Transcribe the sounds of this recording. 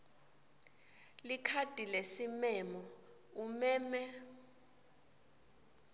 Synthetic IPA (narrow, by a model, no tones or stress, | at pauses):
likʰad̥ʱʼilesimɛmɔ | umɛːmɛ